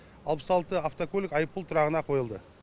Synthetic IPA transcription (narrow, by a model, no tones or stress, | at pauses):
ɑlˠpə̥sɑlˠt̪əaft̪okolʲɪkɑjəp̚ːulˠt̪ʰʊɾɑʁənɑqʰo̞jəlˠd̪ə